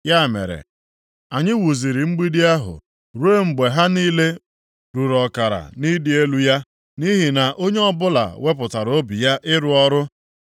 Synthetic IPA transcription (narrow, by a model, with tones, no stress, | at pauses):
ja˦˨mḛ˨ɾḛ˨ | a˨ɲɪ˦wu˨zi˨ɾi˨ŋ͡m̩˦ɡ͡bi˦di˦a˦ɦʊ̰˨ | ɾu˦e˦ŋ͡m̩˨ɡ͡be˨ɦa˦niː˦le˦ | ɾu˨ɾɔ˨ka˨ɾa̰˨ni˦dɪ˦e˦lu˦ja˦ | ni˦ɦi˨na˨ʔo˦ɲe˦ɔ˦bʊ˦la̰˨we˦p̬ʊ˨ta˨ɾo˦bi˨ja˦ʔɪ˦ɾʊ˨ɔ˦ɾʊ˦